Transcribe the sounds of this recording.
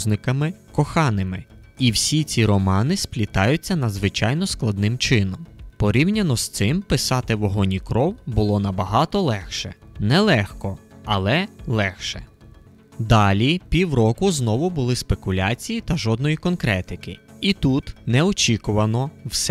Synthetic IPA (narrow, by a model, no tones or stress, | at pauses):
znɪkɐmɪkɔxɑnɪmɪ̰iwsʲit͡sʲiɾɔmɑnɪsplʲit̪ɑjʊt͡sʲːɐnɐd̪zʋɪt͡ʃɑjnɔsklˠɐd̪nɪmt͡ʃɪnɔmpɔɾʲiwnʲɐnɔst̪sɪmpɪsɑt̪ɪʋɔɦɔnʲikɾɔwbʊlˠɔnɐbɐɦɑt̪ɔlˠɛxʃɛ̰nɛlˠɛxkɔɐlˠɛlˠɛxʃɛ̰ | d̪ɑlʲipʲiwrɔkʊznɔʋʊbʊlˠɪspe̞kʊlʲat͡sʲijit̪ɐʒɔd̪nɔjikɔnkɾɛt̪ɪkɪit̪ut̪nɛɔt͡ʃʲikʊʋɐnɔws